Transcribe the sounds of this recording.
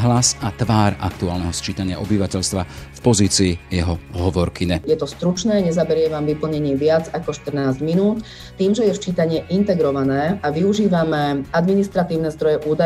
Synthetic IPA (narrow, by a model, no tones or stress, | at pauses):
ɦlasat̪ʋaːɾakt̪uaːlnɛɦɔst͡ʃiːt̪aɲɪa̰ʔɔbiʋacɛʎst̪ʋafpɔziːt͡siːjɛɦɔɦɔʋɔɾkiɲɛjɛt̪ɔst̪ɾut͡ʃnɛːɲɛzabɛɾɪɛʋamʋipl̩ɲɛɲɪɛʋɪad͡zakɔʃt̪r̩naːzɟminuːt̪ː | iːmʒɛjɛʃt͡ʃiːt̪aɲɪɛʔint̪ɛɡɾɔʋanɛːaʋiuʒiːʋamɛad̪minist̪ɾat̪iːʊnɛzd̪ɾɔjɛʔuːd̪a